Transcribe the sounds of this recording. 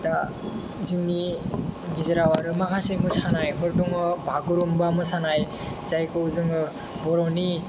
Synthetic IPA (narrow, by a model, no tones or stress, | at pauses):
ta | zɯŋni | ɡizɯɾawaɾɯmakʰasejmɯsanajɦɔɾdɔŋɔbaɡɔɾɔmbamɯsanaj | z̥ajkɔzɯŋɯ | bɔɾɔni